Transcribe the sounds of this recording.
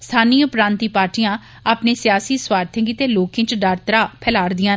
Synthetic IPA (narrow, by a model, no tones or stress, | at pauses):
st̪ʰaːniːʊpɾãːnt̪iːpaːɾʈijãː | aːpneːsɪjaːsiːswaːɾt̪ʰẽːɡiːt̪eːloːkẽːt͡ʃɖəɾt̪əɾaːpʰɛːlaːɾd̪ɪjãː